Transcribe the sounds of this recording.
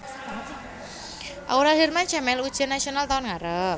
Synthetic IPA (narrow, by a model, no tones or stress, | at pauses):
ʔa̰uɾaɦirmant͡ʃamɛlud̥ʒ̥anasionalt̪aʊnŋaɾə